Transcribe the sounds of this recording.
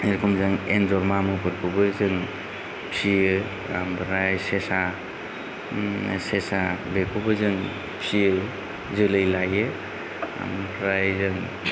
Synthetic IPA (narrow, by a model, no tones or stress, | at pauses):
eɾkʰɔmzɯŋenzɔɾmamɯkʰɯɾkʰubɯzɯŋ | pʰiɯ | a̰mpɾajsesa | sesabekʰubɯzɯŋ | pʰiɯ | zɯlɯjlajɯ | a̰mpʰɾajzɯŋ